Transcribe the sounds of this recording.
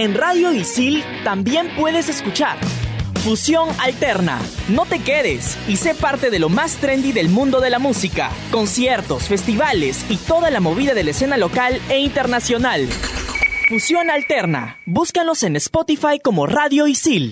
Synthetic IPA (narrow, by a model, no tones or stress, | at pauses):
e̞nraðjo̞isil | t̪ambje̞mpwe̞ðe̞se̞skut͡ʃa̰ɾfusjo̞ŋalt̪e̞ɾna̰no̞t̪e̞keðe̞sise̞paɾt̪e̞ðe̞lo̞mast̪ɾe̞nd̪iðe̞lmũnd̪o̞ðe̞lamusika̰ko̞nsje̞ɾt̪o̞sfe̞st̪iβalesit̪o̞ðalamo̞β̞iðaðe̞laese̞nalo̞kaleint̪eɾnasjo̞nal | fusjo̞nalt̪e̞ɾna̰ | buskanlo̞se̞nespot̪ifajko̞mo̞raðjo̞isil